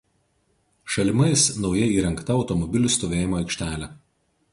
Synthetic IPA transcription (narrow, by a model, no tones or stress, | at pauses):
ʃɐlʲɪmɐɪsnɒʊjɛiːɾɐŋˑkt̪ɐɒʊt̪ɔmɔbʲɪlʲʊst̪oːʋʲeːjɪmoːɐɪkʃʲt̪ʲæːlʲæ